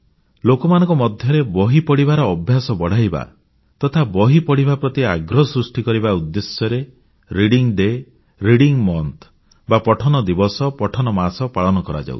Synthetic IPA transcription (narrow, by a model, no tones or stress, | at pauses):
lokɔmanɔ̃ŋkɔmɔd̪ʱjɔɾebɔɦipɔɽibaɾɔːbʱjasɔbɔɽ̤ajba̰ | t̪ɔt̪ʰabɔɦipɔɽ̤ibapɾɔt̪iaɡɾɔsɾusʈikɔɾibaud̪ːesjɔɾe | ɾiɽiŋɖe | ɾiɽiŋmɔnt̪ʰ | bapɔʈʰɔnɔd̪ibɔsɔpɔʈʰɔnɔmasɔpaɭɔnɔkɔɾa̰d͡ʒa̰ṵ̥